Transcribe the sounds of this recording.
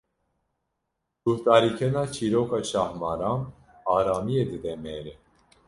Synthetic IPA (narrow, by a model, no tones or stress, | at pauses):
t̪uht̪ɑɾikʰɛnat͡ʃʰiɾɔkʰat͡ʃʰɑhmɑɾam | ɑɾamiɛd̪əd̪ɛmɛɾə